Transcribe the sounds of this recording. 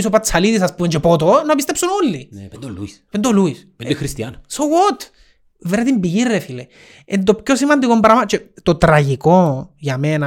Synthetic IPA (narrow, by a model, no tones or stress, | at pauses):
s̬opat͡salit̪isaspuent͡ʃepot̪̬onapist̪epsunulːi | pend̪oluispeexɾist̪jansowot̪ | veɾðimbiɣirefile | ent̪̬opkjosimand̪ikombaɾamat͡ʃet̪ot̪ɾaʝikojamena